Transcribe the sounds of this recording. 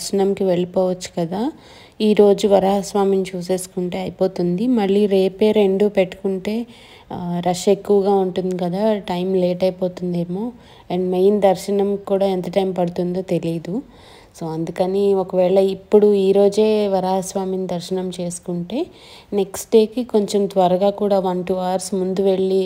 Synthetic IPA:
ʃɐɳɐmkiʋeɭipoːʋɐt͡ʃːu̥kɐd̪aː | iːɾo̞ːd͡ʒuʋɐɾaːɦɐsʋaːminit͡ʃuːse̞ːsu̥kuɳʈe̞ːɐjipo̞ːt̪und̪imɐɭːiːɾe̞ːpe̞ːɾe̞ɳɖuːpe̞ʈːu̥kuɳʈe̞ː | ɾɐʃe̞kːuʋɐɡaːuɳʈund̪ikɐd̪aːʈɐjmle̞ːʈɐjpo̞ːt̪und̪eːmo̞ː | ɛɳɖmejnd̪ɐɾʃɐnɐmkuːɽaːent̪ɐʈɐjmpɐɽut̪und̪o̞ːt̪e̞liɐd̪u | so̞ːɐnd̪ukɐniokɐʋɛːɭɐipːuɽuiːɾo̞ːd͡ʒe̞ːʋɐɾaːɦɐsʋaːminid̪ɐɾʃɐnɐmt͡ʃe̞ːsu̥kuɳʈe̞ː | ne̞ksʈɖe̞ːkiko̞ɲt͡ʃomt̪ʋɐɾɐɡaːkuːɽaːʋɐnʈuaːɾsmund̪uʋe̞ɭːi

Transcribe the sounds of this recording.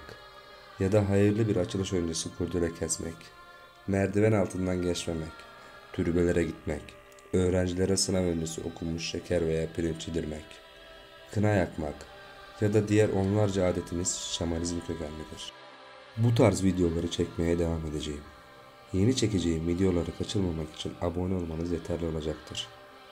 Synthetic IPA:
k | jad̪aɦajɯɾlˠɯbiɾat͡ʃʰɯlˠɯʃo̞jynd͡ʒesɯkʰuɾd̪ʰyɾɛcʰɛsmʔɛ̰c | mæɾd̪ivɛnalˠt̪ʰɯnd̪anɟɛt͡ʃmemɛc | t̪ʰyɾybe̞lʲe̞ɾɛɟit̪mɛc | ø̞ːɾænd͡ʒilʲeɾɛsɯnavønd͡ʒesḭo̞̰kʰumuʃːecʰæɾve̞jaːpʰiɾʲimt͡ʃʰid̪iɾmɛc | kʰɯnajakmak | jad̪ad̪ijæɾʔo̞nlˠaɾd͡ʒaaːd̪e̞t̪ʰimiz̥ʃamanizmcʰøcʰænʲːid̪iɾ̥ | but̪ʰaɾzvid̪ejo̞lˠaɾɯt͡ʃʰɛcme̞jɛd̪e̞vame̞d̪e̞d͡ʒejim | je̞nit͡ʃʰe̞ce̞d͡ʒejimvid̪ijo̞lˠaɾɯkʰat͡ʃʰɯlˠmamaki̥t͡ʃʰinabo̞nioɾmanɯzjet̪ʰæɾlʲio̞lˠad͡ʒakt̪ʰɯɾ̥

